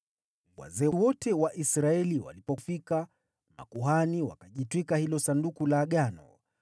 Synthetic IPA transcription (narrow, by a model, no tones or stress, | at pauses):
wwa̰zɛwɔtɛwaʔisɾaɛliwa̰lipɔfika | ma̰kuɦaniwa̰kaʄitwikahilɔsandukulaːɠanɔ̰